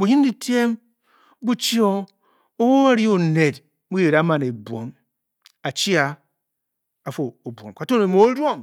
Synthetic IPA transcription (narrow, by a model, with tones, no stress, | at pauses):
bu˨ɲi˦n˦di˨ti˦e˦m | bu˦t͡ʃi˦o˦ | o˦wo˦a˦ɾi˦o˨ne˨d | mu˦je˨ɾa˨˦ma˨ne˨bʷo˨˦m | a˨t͡ʃi˦a˨ | a˨fo˨o˨bʷo̰˨mka˨to˦ne˨m˦o˨˦ɾo˦˨m